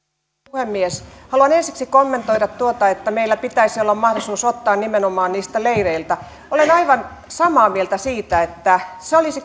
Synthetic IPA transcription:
uhemːieshɑluɑnensiksikomːent̪oiɾɑt̪t̪uot̪ɑet̪ːæmeilːæpit̪æisiolːɑmmɑhdosuːsot̪ːɑːnnimenomɑːnniːst̪æleiʋeilt̪æ | olenɑiʋɑn | sɑmɑːmielt̪æsiːt̪æet̪ːæseolisi

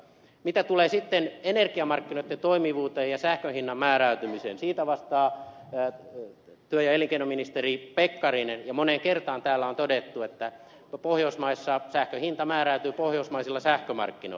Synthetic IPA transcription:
mit̪æt̪uleːsit̪ːenenerkiɑmɑrkːinoit̪ːent̪oimiʋuːt̪eːjɑsæhkøhinːɑmmæːræyt̪ymiseːnsiːt̪æʋɑst̪ɑː | t̪yøjɑeliŋkeinominist̪eripekːɑrinenjɑmoneŋkert̪ɑːnt̪æːlːæont̪odet̪ːuet̪ːæ | pohjousmɑisːɑsæhkøhint̪ɑmæːræyt̪yːpohjousmɑisilːɑsæhkømɑ̰rkːino̰

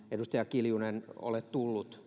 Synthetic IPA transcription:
edust̪ɑjɑkiljuneno̰let̪t̪ulːut̪

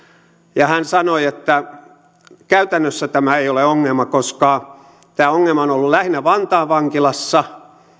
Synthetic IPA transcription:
jɑhænsɑnoiet̪ːæ | kæyt̪ænːøsːæt̪æmæeioleoŋːelmɑkoskɑ | t̪æːoŋːelmɑonolːulæhnæʋɑnt̪ɑːʋʋɑŋkilɑsːɑ

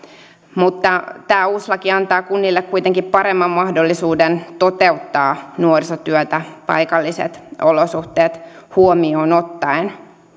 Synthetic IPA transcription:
mut̪ːɑt̪æːuslɑkiɑnt̪ɑːkunːilːekkujt̪e̞ŋkippɑɾemːɑmmɑhdolːisuːdent̪o̞t̪e̞ut̪ːɑːnuorsot̪yøt̪æpɑ̰jkɑlːisḛt̪olosuht̪eːt̪huomioːno̞t̪ːɑin

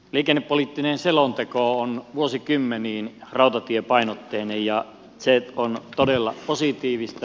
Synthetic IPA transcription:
liːkenːepːoliːˑt̪ːinenselont̪ekoˑonʋuosikymːeniːnrɑˑut̪ɑt̪iepɑinot̪ːehnejjɑ | seont̪odelːɑ̰posit̪iːʋist̪ɑ

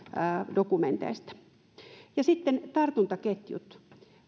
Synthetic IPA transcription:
dokument̪ḛist̪æ̥ | jɑsit̪ːent̪ɑrt̪unt̪ɑket̪jṵt̪

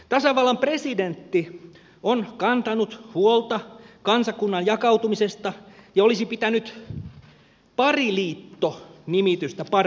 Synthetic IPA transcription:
t̪ɑsɑʋɑlːɑmpresident̪ːi | onkɑnt̪ɑnut̪huolt̪ɑkɑnsɑkunːɑnjɑkɑwt̪umisest̪ɑjɑolisipit̪ænyt̪ | pɑriliːt̪ːonimit̪yst̪æpɑr

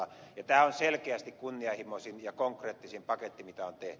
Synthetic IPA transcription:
jɑt̪æːonselkeæst̪ikkunːiɑhimosinjɑkoŋkreːt̪ːisimpɑket̪ːimit̪æont̪eht̪y

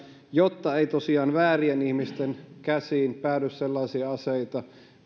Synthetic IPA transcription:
jot̪ːɑeit̪osiɑːnʋæːrienihmist̪enkæsiːnpæːdysselːɑisiɑɑseit̪ɑ

